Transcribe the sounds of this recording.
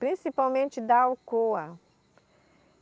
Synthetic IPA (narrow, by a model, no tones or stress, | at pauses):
pɾĩsipawmẽnt͡ʃɪd̪ɐawkoɐ